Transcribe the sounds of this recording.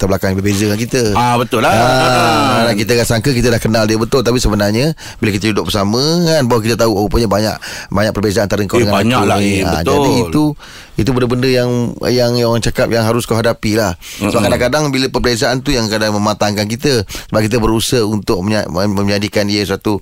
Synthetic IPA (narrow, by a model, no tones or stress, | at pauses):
t̪əblakaŋjbərbezəkankit̪əabət̪ʊlːaaɾanakit̪̬əkaʔsaŋkək̬it̪̬ədahkənaldiəbət̪ʊlt̪apisəbənarɲə | bilakit̪əd͡ʒudʊʔ̚bərsamə̃kanbawak̬it̪̬ət̪auawawpənɲabaɲa̰ʔbaɲaʔ̚pərbezant̪aɾəŋkaŋaaɲalaiaə̰d͡ʒadiit̪u | it̪̬ubəndəbəndəjaŋ̰jaŋaŋt͡ʃakap̚jaŋɦaɾʊskawɦadapilah | əbaʔkadaŋkadaŋbiləpərbezaʔant̪ujaŋkadaŋmə̃mãt̪aŋkank̬it̪əsəbap̚kit̪̬əbəɾusəhunt̪ʊk̚amə̃ɲadikaniəsat̪u